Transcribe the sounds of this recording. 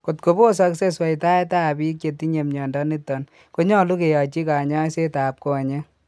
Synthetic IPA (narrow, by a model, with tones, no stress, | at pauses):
ko˨tko˨bo˦sa˦kse˦swa˨jta˦ɛ˦ta˦˨bi˦kje˨ti˦ɲe˨mɲɔ˨ndɔ˦ni˦tːɔ˨n | ko˦ɲɔ˦lu˦ke˨jɔ˨t͡ʃi˦ka˨ɲa˦se˦ta˨p̚ko˨a˨ɲe˦